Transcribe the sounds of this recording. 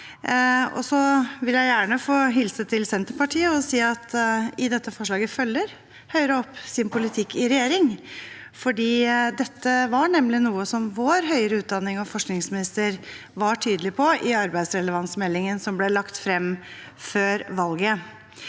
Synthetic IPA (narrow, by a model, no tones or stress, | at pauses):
ɔ̰sɔʋɪljæɪjæːɳəfoːɦɪlsət̪ʰɪlsɛnt̪əɾpɑʈʰiːəɔsiːɑt̪ɪd̪ɛt̪ːəfɔʂɭɑːɡəfœlːəɾ | hœʏɾəɔpːsɪnpʰʊlɪt̪ʰɪkːɪɾɛjeːɾɪŋ | fɔɖiːd̪ɛt̪ʰːəʋɑɳɛmlɪnuːəsɔmʋoːɾɦœʏəɾəʉːt̪̚d̪ɑnːɪŋɔfɔʂknɪŋsmɪnɪst̪əɾ | ʋɑʈʰyːd̪əlɪpʰɔʔɪɑɾbæɪd̪sɾɛləʋɑnsmɛlːɪŋənsɔmblɛlɑkt̪fɾɛmː | føːɾʋɑlɡə